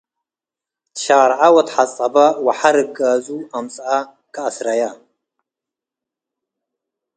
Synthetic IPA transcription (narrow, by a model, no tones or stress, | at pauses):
dʃaːɾʕawatħat͡sʼabawaħaɾɨɡazuamt͡sʼa | kʼaːsrajaː